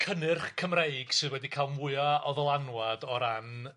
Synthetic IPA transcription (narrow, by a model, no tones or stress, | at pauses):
kʰənɨrχkʰəmrejɡ̥sɨðwɛdikʰalˠmʊɨaɔðɔlˠanwadɔɾan